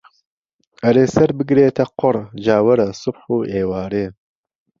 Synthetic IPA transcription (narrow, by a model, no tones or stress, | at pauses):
ɐɾeːsɐɾbɨɡɾeːt̪ʰɐqoɾʒɑːwɐɾɐsʊbħueːwɑːɾeː